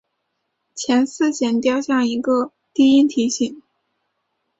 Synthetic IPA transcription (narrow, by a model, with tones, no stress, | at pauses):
t͡ɕʰjɛ˧˥nsɹ̩˥˩ɕjɛ˨˩nt̪jɑ˥˧ʊɕjɑ˥˩ŋi˧˥ɡə˧ | t̪i˥˧i˥nt̪ʰi˧˥ɕi˥˩ŋ